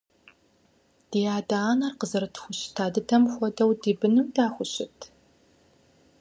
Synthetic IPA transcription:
d̥iːjaːdaːnɐrqəzɨɾɨtʰxʷʊɕtʰaːdɨtʰɐmxʷɔdɐwdiːbɨnɨmdaːxʷʊɕɪtʰ

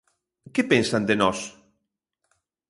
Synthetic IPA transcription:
kɛpensand̪enɔs

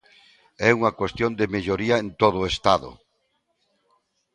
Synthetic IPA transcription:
ɛuŋɐkwest̪jond̪emeʎoɾiaent̪oð̞ʊest̪aðʊ̰

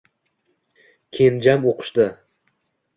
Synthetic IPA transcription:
kʲʰe̞nd͡ʒamoqʰʊ̥ʃd̪ɪ

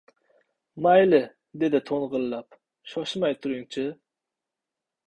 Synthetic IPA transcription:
mɑjlɪ | d̪ed̪ɪt̪ʰonʁəlˠɨlˠɑp | ʃɑʃmɑjt̪ʰuɾuŋt͡ʃʰi

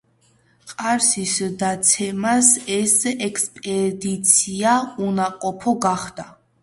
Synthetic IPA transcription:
qʼaɾsisd̪at̪sʰɛmasɛsɛkʰspʼɛd̪it̪sʰiaunaqʼɔpʰɔɡaχd̪a

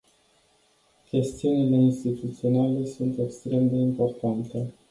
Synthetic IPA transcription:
kʲe̞st̪iunile̞inst̪it̪ut̪sio̞nale̞sunt̪e̞kst̪ɾe̞md̪e̞impo̞rt̪ant̪e̞

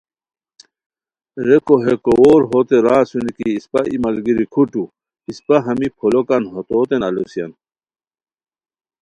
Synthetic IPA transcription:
ɾekoɦekowoːɾɦot̪eɾaːsunikiːspaʔimɐlɡiɾikʰuʈu | ispɐɦɐmipʰolokanɦot̪oːt̪enɐlosijɐ̰n

